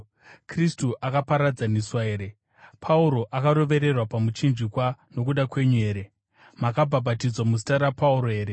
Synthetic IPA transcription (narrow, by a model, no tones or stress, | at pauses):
kristuʔakapaɾad͡zaniswaeːɾe̞ | pʰauɾo̞ʔakaɾo̞ʋe̞ɾe̞rwapamut͡ʃind͡ʒikwano̞k̬uɗakwe̞ɲue̞ːɾe̞ | makabʱabʱatid͡zwamus̬i̥taɾapauɾoe̞ːɾe